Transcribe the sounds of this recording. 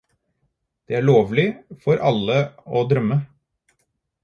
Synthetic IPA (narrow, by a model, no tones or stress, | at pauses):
d̪̥eːæːɭoːʋlɪfɔɾʔɑlːəoːd̪ɾœmːə